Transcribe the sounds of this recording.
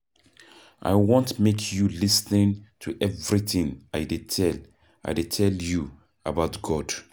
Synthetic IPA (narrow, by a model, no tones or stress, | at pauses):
ʔa̰ɪwɔ̃ntmekʰjulisnĩntʰuʔɛvɹiθɪ̃ŋaɪdeɛl | ʔa̰ɪdetʰɛlju | əbaʊtɡ̥ɔd̥